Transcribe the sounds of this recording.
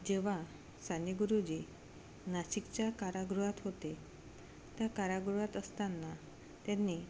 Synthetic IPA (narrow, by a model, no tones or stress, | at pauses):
d͡ʑeʋ̤a | saniɡuɾud͡ʑi | naɕikt͡ɕakaɾaɡɾuɦat̪ɦot̪e | t̪jakaɾaɡɾuɦat̪əst̪anːa | t̪jãnːi